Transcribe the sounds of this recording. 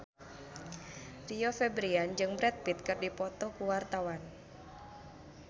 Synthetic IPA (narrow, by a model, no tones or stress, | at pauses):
riɔfɛbɾiand͡ʒɨŋbɾɛt̪̚pit̪̚kɨrdipɔt̪ɔkuwart̪awan